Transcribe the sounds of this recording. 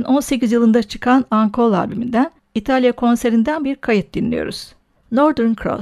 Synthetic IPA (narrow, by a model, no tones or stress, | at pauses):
no̞nse̞cizjɯlˠɯnd̪at͡ʃʰɯ̥kʰanaŋkʰo̞lˠa̰bymind̪æn | it̪ʰalʲjakʰo̞nse̞ɾind̪ænbiɾkʰajɯt̪̚d̪inlʲḭjo̰ɾṵz̥ | noɾd̪ɛɾnkʰɾo̰